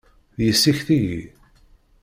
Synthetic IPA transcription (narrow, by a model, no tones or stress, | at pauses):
ðjəsːiçθijḭ